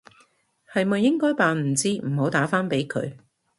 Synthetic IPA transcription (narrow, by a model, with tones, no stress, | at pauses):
hɐ˨jmɐ˨jːɪ˥ŋkɔː˥jpaː˨nm̩˨˩t͡siː˥m̩˨˩ho˨˥wt̪aː˨˥faː˥npe˨˥jkʰɵ̰˨˧ɥ